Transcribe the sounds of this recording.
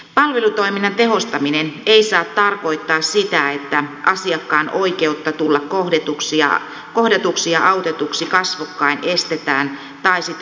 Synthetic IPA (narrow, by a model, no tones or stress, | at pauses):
pɑlʋe̞lut̪o̞iminːɑnt̪e̞ɦo̞st̪ɑmineneisɑːt̪t̪ɑrko̞it̪ːɑːssit̪æet̪ːæʔɑsiɑkːɑːnʔoike̞ut̪ːɑt̪ulːɑkkohdet̪uksiɑ̰ | ko̞hdet̪uksiɑʔɑwt̪et̪uksikɑsʋukːɑine̞st̪et̪æːn | t̪ɑisit̪